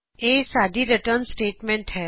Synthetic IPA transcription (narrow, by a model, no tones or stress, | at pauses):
eːsaːɖ̪ʱiɾɪʈəɾnsʈeːʈmẽɳʈɦɛː